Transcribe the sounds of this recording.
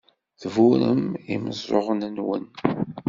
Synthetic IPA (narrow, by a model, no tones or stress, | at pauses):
θvuɾə̰miməzˤɾˤo̰ʁnənwə̰n